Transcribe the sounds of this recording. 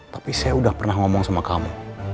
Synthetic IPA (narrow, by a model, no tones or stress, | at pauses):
t̪ḁpisajaudahpərnaɦŋɔmɔŋsamakamu